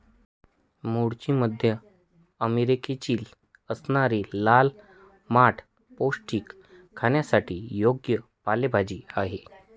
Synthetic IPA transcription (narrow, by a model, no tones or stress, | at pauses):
muɽt͡ɕiːməd̪ʱjə | əmeɾiket͡ɕiːl | əsnaɾilal | maʈʰ | posʈiːkʰː | aɳjasaʈiːjoɡjəpalebʱad͡ʑiːaɦe